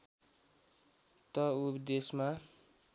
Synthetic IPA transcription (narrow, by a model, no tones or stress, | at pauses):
t̪ʌupd̪esma